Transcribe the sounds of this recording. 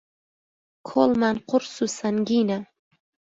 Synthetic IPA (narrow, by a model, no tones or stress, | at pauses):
kʰolˠmanqʰʊɾsusanɡʲina